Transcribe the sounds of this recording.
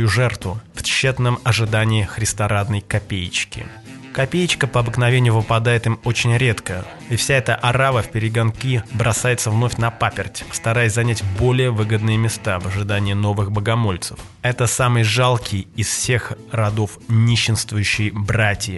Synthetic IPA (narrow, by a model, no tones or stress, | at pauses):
uʐɛrt̪vʊft͡ɕːet̪nəmɐʐɨd̪anʲɪɪxɾʲɪst̪ɐɾad̪nəjkɐpʲejɪt͡ɕkʲɪ̰ | kɐpʲejɪt͡ɕkəpəɐbɨkn̪ɐvʲenʲɪjʊvɨpɐd̪ajɪt̪ɨmo̞t͡ɕɪnʲɾʲe̞t̪kə | ifsʲaɛt̪əʔɐɾavəfʲpʲɪɾʲɪɡɐnkʲibɾɐsajɪt̪səvno̞fʲnɐpapʲɪrtʲst̪ɐɾajɪsʲzɐnʲætʲbo̞lʲɪjəvɨɡəd̪nɨjɪmʲɪst̪avəʐɨd̪anʲɪjɪno̞vɨxbəɡɐmo̞lʲt̪sə̥f | ɛt̪əsamɨjʐalˠkʲʰɪjɪsfsʲe̞xrɐd̪o̞fnʲiɕːɪnst̪vʊjʉɕːɪjbratʲjɪ